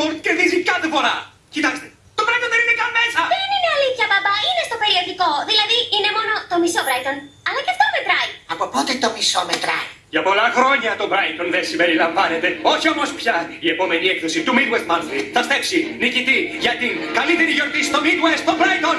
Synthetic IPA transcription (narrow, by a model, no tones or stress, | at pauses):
poɾt̪ceðizikɐt̪efo̞ɾɐ | cit̪ɐkst̪e̞ | t̪o̞bɾɐjt̪onðeninekɐnmesɐðenineɐliθçɐbɐbɐinest̪o̞pe̞ɾio̞ʝiko̞ðilɐðiine̞mo̞no̞t̪o̞misobɾɐjt̪o̞n | ɐlɐceɐft̪o̞met̪ɾɐjɐpo̞po̞t̪et̪o̞miso̞met̪ɾɐ̰j | ʝɐpo̞lɐxɾo̞ɲɐt̪o̞bɾɐjt̪o̞nðensimbe̞ɾilɐɱvɐne̞t̪e̞o̞çio̞mo̞spçɐie̞po̞me̞niekθo̞sit̪umid̪west̪mɐnθiθɐst̪efsinicit̪iʝɐt̪iŋkɐlit̪e̞ɾiʝo̞ɾt̪isi̥t̪omid̪west̪t̪obɾɐjt̪on